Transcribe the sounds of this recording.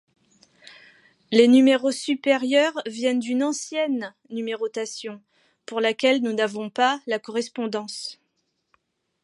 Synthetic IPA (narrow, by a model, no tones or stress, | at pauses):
lenymeʁosypeʁjœʁvjɛnd̪ynɑ̃sjɛnː | ymeʁot̪asjɔ̃ | puʁlakʲɛlnunavɔ̃palakɔʁɛspɔ̃d̪ɑ̃s